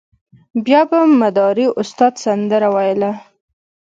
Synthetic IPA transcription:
bjɑbamad̪ɑɾiʔʊst̪ɑd̪sand̪əɾawɑjla

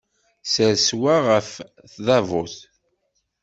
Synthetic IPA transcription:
səɾswaʁəf | θðævʊθ

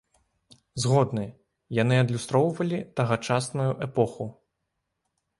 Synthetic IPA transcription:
zɣɔd̪nɨ | janɨɐd̪lʲust̪ɾɔwvɐlʲit̪ɐɣɐt͡ʂasnujuʔɛpɔxu

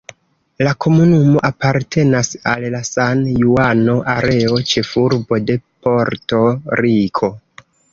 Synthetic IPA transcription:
lakʰo̞munumo̞ʔapaɾtʰe̞nasalːasanjuano̞ʔaɾe̞o̞t͡ʃe̞fuɾbo̞de̞po̞ɾto̞ɾikʰo̞

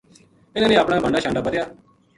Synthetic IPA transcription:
ɪnãːnẽːapɽ̃aːbəɳɖaːʃʰãːɳɖaːbəɾjaː

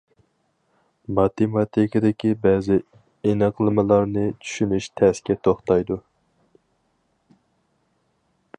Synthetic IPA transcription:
mɑt̪emɑt̪ʰɪkʲɨd̪ɪkʲibɛːzɪ | enɨqlˠɨmɨlˠɑɾnɨt͡ʃʰy̥ʃynyʃt̪ʰɛskʲɛt̪ʰoχt̪ɑjd̪u

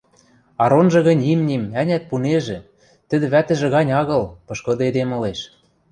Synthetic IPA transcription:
ɑɾonʒɤ̆ɣɤ̆nʲimnʲemænʲæt̪̚puneʒĕ | t̪ɘ̆d̪ɘ̆βæt̪ɘ̆ʒĕɣɑnʲɑɣɤ̆lpɤ̆ʃkɤ̆d̪ɤed̪emɤ̆leʃ

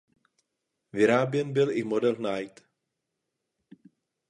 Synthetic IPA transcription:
vɪɾaːbjɛnbɪlʔɪmodɛlnajt̪

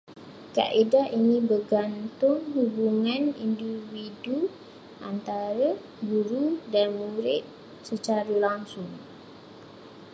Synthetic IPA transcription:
ka̰ʔidainĩbəɡant̪ʊŋhubuŋãnḭndividu | ʔa̰nt̪aɾə | ɡuɾudanmũɾɪt̪̚ | sət͡ʃaɾəlaŋsʊŋ

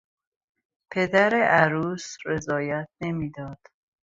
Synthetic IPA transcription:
pʰe̞d̪æɾeʔæɾuːsɾe̞zɒːjæt̪̚ʰne̞miːd̪ɒːd̪̥

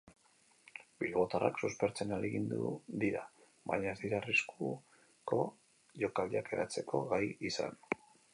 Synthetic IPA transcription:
bilβo̞t̪ara̰ksuspe̞ɾt͡se̞naleɣind̪ṵd̪iɾa | βa̰ɲaezðiɾarisku | ko̞ | ʝo̞kaliake̞ɾat͡se̞kʰo̞ɣajisa̰n

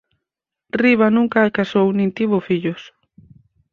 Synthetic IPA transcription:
riβanũŋkaːkasownĩnt̪iβofiʎos

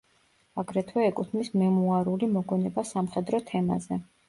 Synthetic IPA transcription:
aɡɾɛt̪ʰwɛːkʼut̪ʰmismɛmuaɾulimɔɡwɛnɛbasamχɛd̪ɾɔt̪ʰɛma̰zɛ

